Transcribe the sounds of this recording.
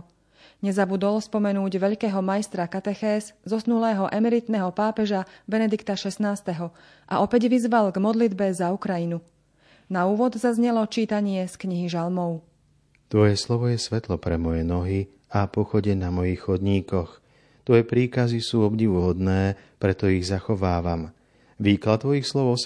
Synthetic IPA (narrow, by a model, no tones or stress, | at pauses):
ɲɛzabud̪ɔlspɔmɛnuːɟʋɛʎkɛːɦɔmajst̪ɾakat̪ɛxɛːzzɔsnulɛːɦɔʔɛmɛɾit̪nɛɦɔpaːpɛʒabɛnɛd̪ikt̪aʃɛsnaːst̪ɛɦɔ | ʔa̰ʔɔpɛɟʋizʋalɡmɔd̪lid̪bɛzaukɾajinu | nauːʋɔd̪zazɲɛlɔt͡ʃiːt̪aɲɪɛskɲiɦiʒalmɔʊ | t̪ʋɔjɛslɔʋɔjɛsʋɛt̪lɔpɾɛmɔjɛnɔɦi | apɔxɔɟɛnamɔjiːxxɔd̪ɲiːkɔx | t̪ʋɔjɛpɾiːkazisuːɔbɟiʋɦɔd̪nɛː | pɾɛt̪ɔiɣzaxɔʋaːʋam | ʋiːklat̪ːʋɔjixslɔʊɔ